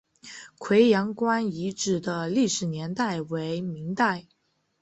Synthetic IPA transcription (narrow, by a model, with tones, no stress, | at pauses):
kʰwe˧˥ɪjɑ˧˥ŋkwa˥ni˧˥ʈ͡ʂɻ̩˨˩d̪ə˦li˥˩ʂɻ̩˨˩njɛ˧˥nt̪a˥˩ɪwe˧˥ɪmi˧˥ŋt̪a˥˩ɪ